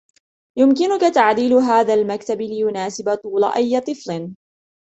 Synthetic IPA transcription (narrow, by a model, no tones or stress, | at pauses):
jʊmkɪnʊkat̪aʕd̪iːlʊɦaːðaːlmakt̪abɪlɪjʊnaːsɪbat̪ˤuːla̰ʔajːat̪ˤɨflɪn